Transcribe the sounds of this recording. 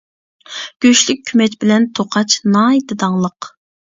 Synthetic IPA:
ɡ̥ʲøʃlyk̚ʲʰːymɛt͡ʃbɪlɛnt̪ʰoqʰɑt͡ʃnɑjid̪ɨd̪ɑŋlˠəq

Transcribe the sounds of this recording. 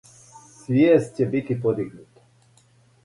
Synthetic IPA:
svʲjɛst̪ʲjɛbit̪ʲipɔd̪iɡnut̪

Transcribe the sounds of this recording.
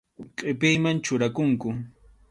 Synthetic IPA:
qʼɪpɪjmant͡ʃʊɾakʊŋkʊ

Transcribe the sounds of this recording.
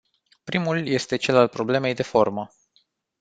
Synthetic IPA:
pɾimulje̞st̪e̞t͡ʃe̞lalpɾo̞ble̞me̞jd̪e̞fo̞rmə

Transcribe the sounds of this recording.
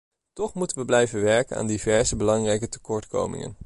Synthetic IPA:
tɔχmutənʋəblɛjvəʋɛɹkəna̰ːndivɛɹzəbəlɑŋrɛjkətə̥kɔɹtko̰wmɪ̰ŋə̰n

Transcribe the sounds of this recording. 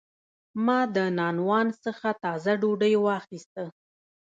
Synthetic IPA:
mɑd̪ənɑnwɑnsəxat̪ɑzaɖoɖəjwɑxist̪ə

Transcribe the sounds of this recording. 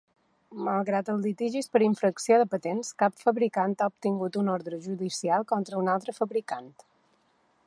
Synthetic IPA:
malˠɣɾat̪əlˠlit̪iʒispəɾiɱfɾəksioðəpət̪enskapfəβɾikant̪aup̚t̪iŋɡut̪unɔɾðɾəʒuðisialˠkɔnt̪ɾəunalˠt̪ɾəfəβɾikant̪

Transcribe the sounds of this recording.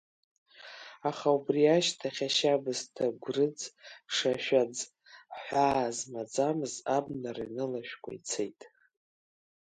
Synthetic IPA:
aχaubriaʃtʰaχʲaʃabɨztʰaɡʷrɨd͡zʂaʃᶣad͡z | ħʷaːzmad͡zamɨzabnaranɨlaʃᶣkʷʰʼa̰it͡sʰḛjtʼ

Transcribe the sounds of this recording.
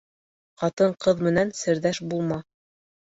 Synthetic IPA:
qɑt̪ɤɴqɤðmɘ̆nænsɘ̆ɾðæʃbulˠmɑ

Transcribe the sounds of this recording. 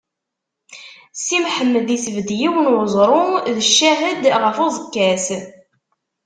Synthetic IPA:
simħəmːəd̪isəvd̪jiwnʊzˤɾˤʊðəʃːæɦəd̪ʁəfozˤəkːæs

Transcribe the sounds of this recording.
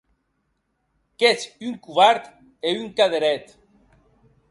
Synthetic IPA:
kesyŋkuβaɾt̪ | eyŋkaðeɾɛt̪

